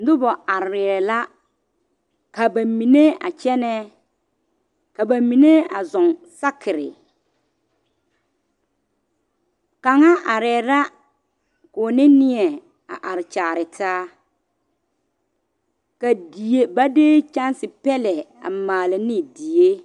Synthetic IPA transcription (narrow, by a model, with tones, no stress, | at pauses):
n̩˦dʊ˦bɔ˨a˨ɾɪ˨ɛ˨la˦ | ka˨ba˨mi˨ne˦a̰˨t͡ʃɛ˦nɛ˦ | ka˨ba˨mi˨ne˦a˨zʊ˨ŋsa˦kʰɪ˨ɾɪ̰˨ | ka˨ŋa˦ʔa˨ɾɛ˨ɾa˦ | kʊː˨nɪ˦nɪ˦ɛ˨ | a̰˨ʔa˨ɾɪ˨t͡ʃaː˨ɾɪ˨tʰaː˦ | ka˨di˨e˦ba˦deː˦t͡ʃa˦nsɪ˨pɛ˦lɛ˨a̰˨maː˨la˨nɪ˦di˨je˦